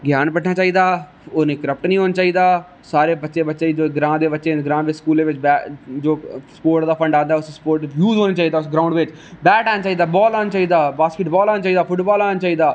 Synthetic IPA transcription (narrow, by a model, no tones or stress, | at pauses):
ɡjaːnpəʈʰnaːt͡ʃaːiːd̪aː | ʊnẽːkəɾəp̚ʈnĩːɦoːnaːt͡ʃaːiːd̪aː | saːɾeːbətːʃeːbətːʃeːd͡ʒoɡɾãːd̪eːbətːʃeːɡɾãːʋɪt͡ʃskuːleːʋɪt͡ʃbɛd͡ʒoːspoːɾʈd̪aːpʰə̃ɳɖãːnd̪aːʊsspoːɾʈʋjuːzɦoːnaːt͡ʃaːiːd̪aːʊsɡɾãːʊɳɖʋɪt͡ʃ | bɛːʈaːnaːt͡ʃaːiːd̪aːbɔːlaːnat͡ʃaːiːd̪aːbaːskɪʈbɔːlaːnat͡ʃaːiːd̪aːpʰʊʈbɔːlaːnat͡ʃaːiːd̪aː